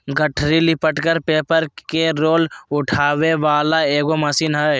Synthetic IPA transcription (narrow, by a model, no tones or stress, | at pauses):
ɡəʈʰɾilɪpəʈkəɾpeːpəɾkeɾoːlʊʈʰaːʋeʋaːlaeːɡomɐsiːnɦɛ